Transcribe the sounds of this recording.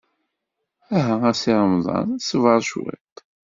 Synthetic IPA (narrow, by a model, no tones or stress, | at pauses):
æɦææsiɾəmðˤɑ̰nsəvəɾˤʃɪ̰t̪